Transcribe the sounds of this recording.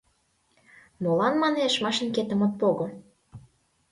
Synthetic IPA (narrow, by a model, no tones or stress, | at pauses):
molɑnmɑneʃmɑʃə̆nket̪ə̆mə̆t̪̚poɣɤ̆